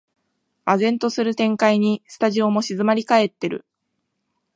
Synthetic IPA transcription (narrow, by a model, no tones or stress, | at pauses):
azẽ̞nt̪o̞sɨɾɯ̟t̪ẽ̞ŋkaiɲ̟isɨ̥t̪aʑio̞mo̞ɕizɨmaɾʲikae̞t̪ːe̞ɾɯ̟̰